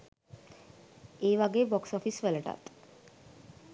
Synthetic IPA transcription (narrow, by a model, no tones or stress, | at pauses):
eːʋaɡeːbɔksɔfisʋeləʈa̰t̪